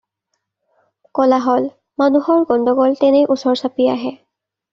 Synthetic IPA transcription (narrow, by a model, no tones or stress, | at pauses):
kɔlaɦɔl | manuhɔɹɡɔndɔɡɔltɛnɛjʔusɔɹsapia̰ɦɛ